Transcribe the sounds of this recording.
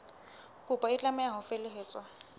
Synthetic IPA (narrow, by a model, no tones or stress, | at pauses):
kʼʊpʼaɪt͡ɬʼamɛaɦʊfelɪɦeːt͡sʼwa